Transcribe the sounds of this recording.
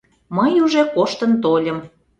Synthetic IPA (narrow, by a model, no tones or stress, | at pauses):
məjuʒekoʃt̪ə̆nt̪olʲəm